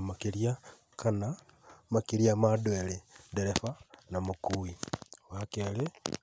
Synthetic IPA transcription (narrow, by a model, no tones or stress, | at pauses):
makilia | kʰana | makiljamadweledeɾefanamukuiwakele